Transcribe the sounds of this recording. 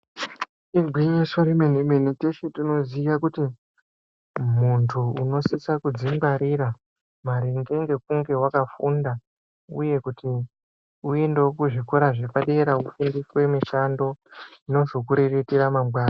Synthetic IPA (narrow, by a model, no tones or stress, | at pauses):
iɡʱwiɲisoɾimenimeniteʃetino̞zijakuti | muntʰuuno̞sisakud͡zimbaɾiɾa | maɾiŋɡe̞ŋɡe̞k̚uŋɡe̞wakafunda | ṵje̞kuti | uendookuʐiko̞ɾaʐepaɗe̞ɾaufindiswemiʃando̞ino̞zo̞kuɾe̞retiɾamamɡwaːo